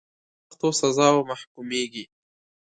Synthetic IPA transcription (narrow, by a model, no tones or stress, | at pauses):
axt̪osazɑwmahkumeɡi